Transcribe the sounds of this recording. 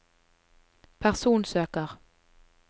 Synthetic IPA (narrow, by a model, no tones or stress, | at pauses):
pʰæʁsuːnsøːkəʁ